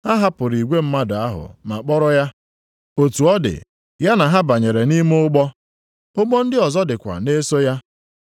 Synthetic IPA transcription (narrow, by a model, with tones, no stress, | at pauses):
ha˦ɦa˦pʊ˨ɾi˨ɡʷe˦m̩˦ma˦dʊ˨a˦ɦʊ̰˨ma˨k͡pɔ˦ɾɔ˦ja˦ | o˨tu˨ɔ˦dɪ̰˨ | ja˦na˨ɦa˦ba˨ɲe˨ɾe˨ni˦m˦ʊ˦ɡ͡bɔ˦ | ʊ˦ɡ͡bɔ˦n̩˦dɪ˦ɔ˨zɔ˦dɪ˨kʷa̰˨ne˦so˦ja˦